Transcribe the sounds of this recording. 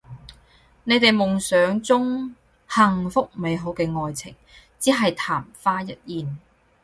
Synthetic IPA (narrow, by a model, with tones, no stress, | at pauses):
ne˨˧jt̪e˨jmʊ˨˩ŋsœː˨˥ŋt͡sʊ˥ŋ | hɐ˨ŋfʊ˥k̚me˨˧jɦo˨˥wkɛː˧ŋɔː˨jt͡sʰɪ̰˨˩ŋ | t͡siː˨˥ɦɐ˨jt̪ʰaː˨˩mfaː˥jɐ˥t̚jiː˨n